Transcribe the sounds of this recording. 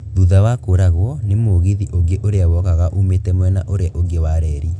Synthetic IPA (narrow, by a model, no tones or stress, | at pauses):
ðuðawakoɾaɣwɔnemoɣiðiʔoɡeʔoɾeawɔkaɣaʔumetɛmwɛna̰ʔoɾeaʔoɡewaɾɛɾi